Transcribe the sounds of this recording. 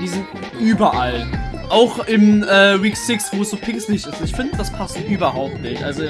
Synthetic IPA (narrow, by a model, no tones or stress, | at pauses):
v̥iːzɪnt | ʔyːbɐʔalʔaʊxʔɪmʔɛːwiːkz̥ɪksv̥oːsz̥oːpʰɪkslɪçtɪsɪçfɪndəd̥aspʰastʔyːbɐɦaʊp̚tnɪçʔalzo